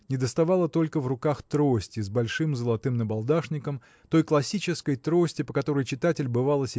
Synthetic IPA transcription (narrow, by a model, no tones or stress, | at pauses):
nʲɪd̪əst̪ɐvalˠət̪o̞lʲkəvrʊkaxt̪ɾo̞sʲtʲɪzʲbɐlʲʂɨmzəlˠɐt̪ɨmnəbɐlˠd̪aʂnʲɪkəm | t̪o̞jklˠɐsʲit͡ɕɪskəjt̪ɾo̞sʲtʲɪpəkɐt̪o̞ɾəjt͡ɕɪt̪atʲɪlʲbɨvalˠəsʲ